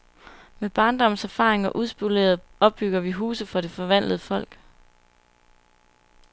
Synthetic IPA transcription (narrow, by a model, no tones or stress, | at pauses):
meb̥ɑ̈ːnd̥ɒ̽m̰sæɐfɑ̈ːʁeŋɒ̽ʔuðˠsb̥ule̝̰ːɐð̩ˠɒ̽b̥̚ːyɡ̥ɐʋiɦuːsð̩ˠfɒ̽ɾ̥e̝fɒ̽ʋæn̰ləð̩ˠəfɒ̽l̰ɡ̥